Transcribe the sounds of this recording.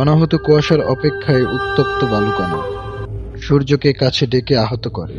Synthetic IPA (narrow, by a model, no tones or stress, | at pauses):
ɔnaɦot̪okuaʃaɾɔ̰pekʰːaeʔut̪ːop̚t̪obalkɔna̰ | ʃuɾd͡ʑokekat͡ɕʰeɖekeaɦot̪oko̰ɾḛ